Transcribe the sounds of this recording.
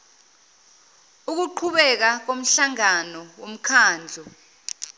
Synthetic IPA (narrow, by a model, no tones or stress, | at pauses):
uk̬uǃʰuɓɛk̬ak̬om̩ɬaŋanɔwom̩kʰaːnd͡ɮʱɔ